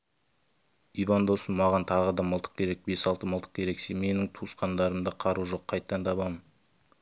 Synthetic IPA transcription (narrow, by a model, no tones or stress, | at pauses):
ivand̪osənmɑʁɑnt̪ʰɑʁəd̪ɑməlˠt̪ʰə̥q̚kʲʰe̞ɾe̞k̚be̞sɑlˠt̪əməlˠt̪ə̥q̚kʲʰe̞ɾe̞kseme̞nɪŋt̪ʰuəsqɑnd̪ɑɾəmd̪əqʰɑɾuʒo̞qʰːɑjt̪ːɑnt̪ʰɑβɑmən